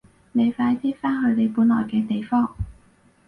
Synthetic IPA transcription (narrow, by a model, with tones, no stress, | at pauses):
ne˨˧jfaː˧jt̪ʰiː˥faː˥nhɵ˨˧ɥt̪e˨˧jpuː˨˥nlɔ̰ː˨˩jkɛː˧t̪e˨jfɔː˥ŋ